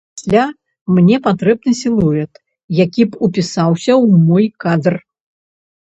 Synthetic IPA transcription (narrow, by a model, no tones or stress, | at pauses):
sʲlʲa | mnʲɛpat̪ɾɛbnɨsʲilˠuɾʲɛt̪ | jakʲipupʲisawsʲɐwmɔjkad̪r